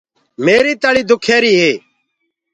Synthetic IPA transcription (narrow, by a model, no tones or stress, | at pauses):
meːɾiːt̪əɭiːd̪ʊkʰeːɾiːɦeː